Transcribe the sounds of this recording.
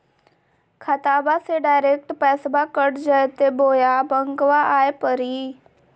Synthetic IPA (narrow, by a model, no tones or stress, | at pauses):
kʰat̪aːbaseɖaːɪɾeːk̚ʈpɛːsbakəɽd͡ʒəjt̪eboːjabəŋɡʋaʔaːepəɾi